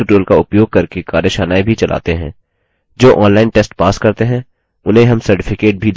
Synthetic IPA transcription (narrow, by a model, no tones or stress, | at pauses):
ʊʈoːlkaʊpjoːɡ̚kɐɾkekaːɾjəʃaːnaːibʱit͡ʃɐlʔa̰ːt̪eɦɛ̃ː | d͡ʒoːʔɔ̃ːnlaːɪnʈeːsʈpaːskɐɾt̪eɦɛ̃ | ʊnɦẽɦɐmsɐɾʈɪfʰɪkeːʈ̚bʱil